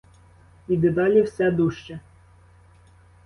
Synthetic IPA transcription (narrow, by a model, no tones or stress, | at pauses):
id̪ɘd̪ɑlʲiwsʲɛd̪uʃt͡ʃɛ